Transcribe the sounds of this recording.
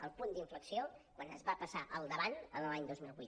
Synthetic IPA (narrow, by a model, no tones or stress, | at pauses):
əlˠpund̪iɱfləksiokwanəzβapəsaʔəlˠd̪əβanənlaɲd̪ozmilˠβṵ